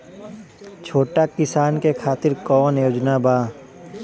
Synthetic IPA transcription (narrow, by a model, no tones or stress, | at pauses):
t͡ʃʰoːʈakɪsaːnkekʰaːt̪ɪɾkɔːnjoːd͡ʒnabaː